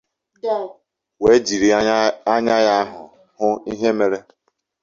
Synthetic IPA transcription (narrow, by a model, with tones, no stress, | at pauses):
we˨˦d͡ʒi˨ɾi˨a˦ɲa˦ja˦ɦʊ̰˨ | hʊ˦i˦ɦe˦me˨ɾe˦